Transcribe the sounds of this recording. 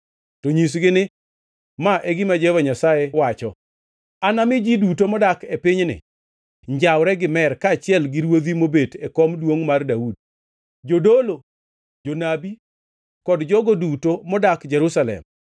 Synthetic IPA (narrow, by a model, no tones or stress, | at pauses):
toɲis̬ɡɪnɪ | maʔeɡɪmad͡ʒɛvaɲasajewat͡ʃɔ | anamɪd͡ʒidut̬omɔdakepɪɲnɪ̰ | ɲd͡ʒawɾɛɡɪmɛrkaːt͡ʃɪɛlɡɪɾwod̪imobetekomdwoŋmardaud̚ | d͡ʒodolo | d͡ʒonabi | kɔdd͡ʒɔɡodutomɔdakd͡ʒɛɾusalɛ̰m